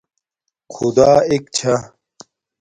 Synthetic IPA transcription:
kʰud̪aːek̚t͡ɕʰɐ

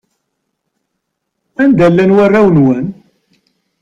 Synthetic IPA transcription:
ænd̪ælːænwarˤːawənwən

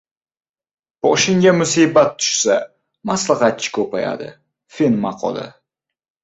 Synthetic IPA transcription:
b̥ɒʃɪŋɡʲamʊsibat̪ʰːʊ̥ʃsa | maslˠɪχɑt̪̚t͡ʃʰɪ̥kʰɵpaja̰d̪ɪ̰ | fenmɑqʰɒ̰lˠɪ̰

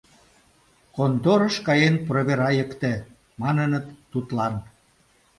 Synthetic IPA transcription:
kond̪oɾə̆ʃkɑjenproβeɾɑjəkt̪ĕ | mɑnənət̪ːut̪lɑn

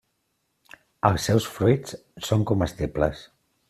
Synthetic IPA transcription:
əlˠsːɛwsfɾujt͡s | soŋkɔməst̪eplə̰s

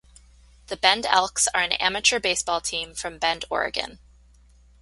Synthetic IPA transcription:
ðɨbɛ̃ndɛ̰lˠksə˞ɨ̃næ̰mɨt͡ʃə˞beɪsb̥ɔlˠtʰĩɱfɹʌ̃mbɛ̃ndɔ̰ɹɨ̰ɡɨ̰̃n

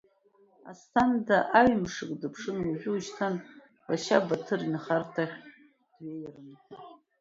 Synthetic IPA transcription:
a̰stʰandaʔaɥmʂɨkʼdɨpʰʂɨnuʒʲʷᶣɪuʃtʰan | baʃabatʰɨɾinχartʰaχʲ | d̥ɥejaɾɨntɨ

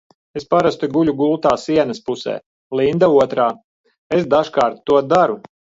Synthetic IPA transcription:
espaɾast̪uɡuʎʲuɡulˠt̪aːsiɛnɐspusɛ̰ː | lˠind̪auɔt̪ɾaː | esd̪aʒkaːɾt̪ːuɔd̪aɾu

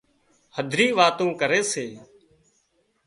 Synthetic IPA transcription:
həd̪ʱɾiːʋaːt̪õːkəɾeːseː

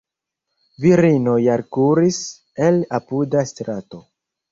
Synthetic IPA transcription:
viɾinojaɾkuɾis | elapudastɾato̞

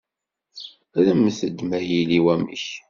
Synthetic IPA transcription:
ɾæmːθəd̪mæhiliwæmə̰ç

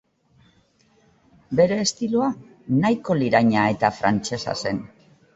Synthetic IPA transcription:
be̞ɾe̞ːst̪iloa | najko̞liɾaɲae̞t̪afɾa̰nt͡se̞sa̰se̞n

